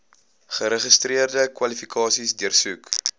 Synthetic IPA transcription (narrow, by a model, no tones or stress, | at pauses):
χəɾəχəstriərdəkwɐlifikʰɑːsisdiərsuk